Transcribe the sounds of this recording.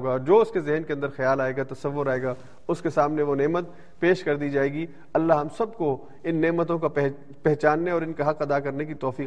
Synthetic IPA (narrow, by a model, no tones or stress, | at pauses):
ɡaɔːɾd͡ʒoːʊskezɛɦnkeɐ̃nd̪əɾxjaːlaːeːɡat̪ɐsɐʋːʊɾaːeːɡaː | ʊskesaːmneʋoneːmət̪̚ | peːʃkɐɾd̪iːd͡ʒaːeːɡi | ɐlːaɦɐmsɐb̚ko | ɪnːeːmət̪̬õkapɛ | pɛɦt͡ʃaːnːeɔːɾɪnkaɦɐqɐd̪akɐɾnekit̪ɔːfiː